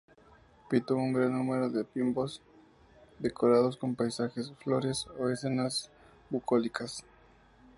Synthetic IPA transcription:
pit̪uuŋɡɾanːumeɾo̞ðe̞pimbo̞z | d̪e̞kʰoɾaðo̞sko̞mpajsaxesflo̞ɾesoesenas | bukʰolikas

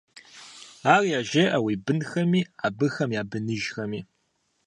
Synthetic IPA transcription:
aːrjaːʒeːʔɐwiːbɨnxɐmiːaːbɨxɐmjaːbɨnɨʒxɐmiː

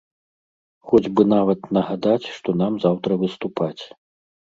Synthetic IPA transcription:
xɔd͡zʲbɨnavɐt̪nɐɣad̪at͡sʲʂt̪ɔnamzawt̪ɾɐvɨst̪upʰat͡sʲ

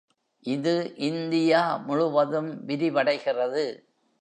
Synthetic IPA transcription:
ʔɪðɯʔɪnd̪ɪjaːmʊɻʊʋɐðɯmʋɪɾɪʋɐɽɐɪɣɪrɐðɯ

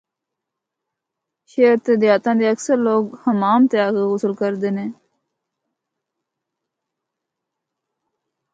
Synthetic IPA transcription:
ʃeːɾt̪eːd̪ɪjaːt̪ãːd̪eːəksəɾloːɡhəmaːmt̪ejaːkeɦʊsəlkəɾd̪eːnẽː

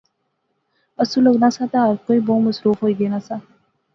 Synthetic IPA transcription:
əsuloɡnaːsãːt̪aɾkoːiːboːməsɾuːfɦoːiɡenaːsãː

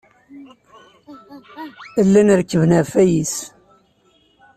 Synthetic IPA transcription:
əlːænəɾkːəvənæfæjis

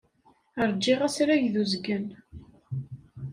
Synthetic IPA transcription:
əɾˤd͡ʒːɪʁæsɾæʝðuzɡən

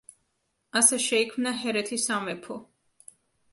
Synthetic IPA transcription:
asɛʃɛikʰmnaɦɛɾɛt̪ʰisamɛpʰɔ

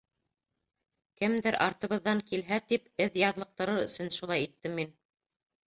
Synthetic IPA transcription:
kɘmd̪ɘɾʔɑ̰ɾt̪ɤ̆βɤ̆ðːɑŋkilɦæt̪ipɘðjɑðlˠɤ̆q̚t̪ɤ̆ɾɤɾɵ̆sɵnʃulˠɑjit̪ːɘmːin

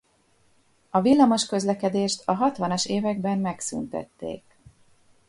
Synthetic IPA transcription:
ɒvilːɒmo̞ʃkø̞zlɛkɛd̪eːʃt̪ɒɦɒt̪ʋɒnɒʃeːvɛɡbɛmːɛksy̰nt̪ɛ̰t̪ːḛːk

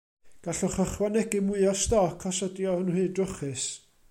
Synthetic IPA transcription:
ɡ̥aɬɔχəχwanɛɡɨmʊɨɔstɔkʰɔsɔdjɔʊnhɨːdrʊχɨs

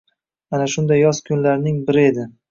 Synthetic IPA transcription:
anaʃʊnd̪ajːɒz̥kʰʊnlaɾnɪŋbɪɾɪe̞d̪ɪ

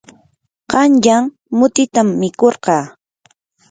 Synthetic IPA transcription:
qɑnʎaŋ | mʊt̪ɪt̪amːɪkoɾqɑː

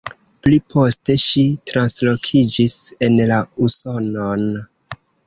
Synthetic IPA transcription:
plipʰo̞ste̞ʃitɾanslo̞kʰid͡ʒise̞nlauso̞non

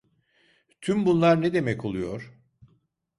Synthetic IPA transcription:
t̪ʰymbunlˠaɾnɛd̪e̞mɛko̞lˠujo̞ɾ̥

